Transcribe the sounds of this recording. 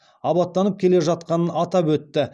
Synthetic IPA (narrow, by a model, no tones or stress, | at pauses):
ɑbɑt̪ːɑnəp̚kʲʰe̞le̞ʒɑt̪̚qɑnənɑt̪ɑpwɵt̪ːɪ